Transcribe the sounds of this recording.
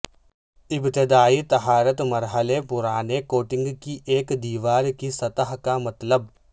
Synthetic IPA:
ɪbt̪ɪd̪aːiːt̪əɦaːɾət̪məɾɦəlepʊɾaːnekoːʈɪ̃ŋɡkiʔeːkd̪iːʋaːɾkisət̪əɦkamɐt̪ləb̚

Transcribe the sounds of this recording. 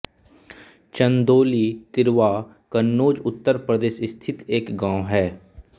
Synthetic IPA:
t͡ʃə̃nd̪oːliːt̪ɪɾʋaː | kənːoːd͡ʒʊt̪ːəɾpɾəd̪eːʃɪst̪ʰɪt̪eːkɡãːʊɦɛː

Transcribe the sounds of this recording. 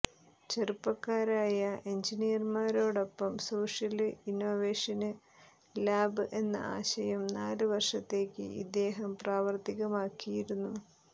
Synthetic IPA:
t͡ɕerupːɐkːaːɾaːjɐeɲd͡ʑinijɐrmaːɾo̞ːɽo̞pːɐmso̞ːʂjɐlɨino̞ːʋe̞ːʂɐnɨ | laːbɨʔe̞nːɐ̰ʔa̰ːɕɐjɐmnaːlɨʋɐrʂɐt̪ːe̞ːkʲːɨ̰ḭd̪ːe̞ːɦɐmpraːʋɐrt̪iɣɐmaːkːijiɾunːu

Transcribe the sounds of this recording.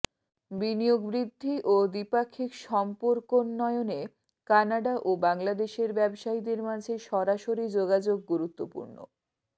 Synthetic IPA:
binijoɡbɾid̪ʱːiʔod̪ipakʰikʃɔmpoɾkonːɔeone | kanaɖaʔobaŋlad̪eʃeɾbɛbʃaid̪eɾmad͡ʑʱeʃɔɾaʃoɾid͡ʑoɡad͡ʑoɡ̚ːuɾut̪ːopṵɾno̰

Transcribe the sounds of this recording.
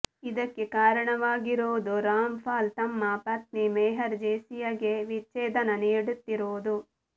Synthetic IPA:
id̪ɐkːekaːɾɐɳɐʋaːɡiɾoːd̪uɾaːmpʰaːlt̪ɐmːɐpɐt̪̚nimɛːɦɐɾd͡ʒeːsijɐɡeʋit͡ʃːɛːd̪ɐnɐniːɽut̪ːiɾoːd̪u

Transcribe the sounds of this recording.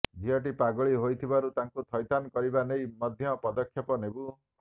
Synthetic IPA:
d̪ʱiɔʈ̬ipaɡɔɭiɦojt̪ʰibaɾut̪aŋkut̪ʰɔjt̪anɔkɔɾibanejmɔd̪ʱjɔpɔd̪ɔkʰːjɔpɔnebu

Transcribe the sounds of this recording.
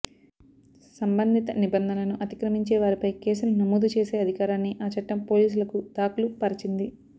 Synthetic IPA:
sɐmbɐnd̪ʱit̪ɐnibɐnd̪ʱɐnɐnuʔɐt̪ikɾɐmiɲt͡ʃeːʋaːɾipɐjkeːsulunɐmuːd̪ut͡ʃe̞ːse̞ːɐd̪ʱikaːɾaːnːiʔaːt͡ʃɐʈːɐmpo̞ːliːs̬ulɐkud̪aːkulupɐɾɐt͡ʃind̪i

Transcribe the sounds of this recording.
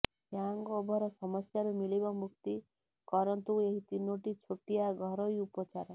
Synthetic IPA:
t̪jaŋkoːbʱʌɾʌsʌmʌsjaɾumilebamukt̪i | kʌɾʌnt̪ueɦit̪inoʈit͡sʰoʈijaɡʱʌɾojupɔt͡sa̰ɾ

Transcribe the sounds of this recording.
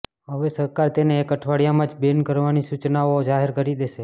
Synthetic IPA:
ɦəʋesəɾkaɾt̪eneːkəʈʰʋaɽjamãd͡ʒbenkəɾʋanisut͡ʃnaod͡ʒaɦeɾkəɾid̪eʃe

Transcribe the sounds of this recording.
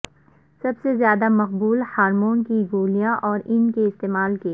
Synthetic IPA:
sɐbsezjaːd̪amɐqbuːlhaːɾmoːnkiɡoːlijãʔɔːɾɪnkeɪst̪eːmaːlkeː

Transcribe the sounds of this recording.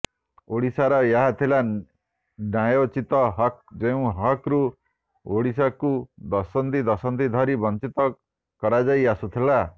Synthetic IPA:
oɽisaɾʌjaɦat̪ʰila | najot͡sit̪ʌɦʌk̚d͡zew̃ɦʌkɾu | oɽisakud̪ʌsʌnd̪id̪ʌsʌnd̪id̪ʱʌɾibʌnt͡sit̪ʌ | kʌɾad͡zajasut̪ʰela

